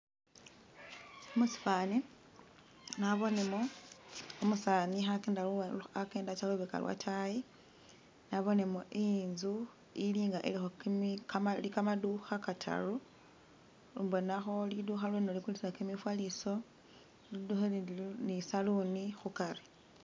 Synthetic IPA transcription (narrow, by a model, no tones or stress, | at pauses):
omusi̥fani | naβo̞nemo | omusaːnixakendaake̞ːndat͡ʃaluβeka̰lwa̰tʰaji | naβo̞ne̞moʔinzu | iliːŋɡaʔelixokmkaalikamaduxakatʰa̰ru | lubonaxo̞liduxalwenolikulisilakemifwaliso̞ | liduxelisalunixukaɾi